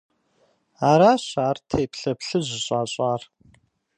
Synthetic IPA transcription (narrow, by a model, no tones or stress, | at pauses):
aːɾaːɕaːrtʰeːpɬɐpɬɨʑɪɕʼaːɕʼaːr